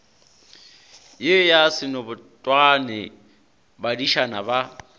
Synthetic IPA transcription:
jejasɪnɔbʊtʼwanɪ | badiʃanaba

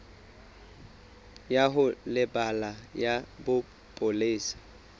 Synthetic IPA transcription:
jaɦʊlɪbalajabʊ | pʼʊleːsḁ

